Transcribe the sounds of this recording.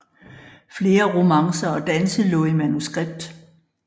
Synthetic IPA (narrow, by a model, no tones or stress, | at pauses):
fle̝ːɐʁo̝mɑ̈ŋsɐɒ̽d̥ænsəlɔ̽ːimænusɡ̥ʁeb̥̚d̥